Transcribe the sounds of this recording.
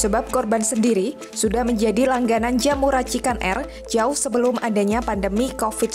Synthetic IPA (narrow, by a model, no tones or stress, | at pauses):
səbap̚kɔrbansəndiɾi | sudahməɲd͡ʒadilaŋɡanand͡ʒamuɾat͡ʃikanʔɛ̰r | d͡ʒaʊhsəbəlʊmʔadaɲapandəmikofɪt̪̚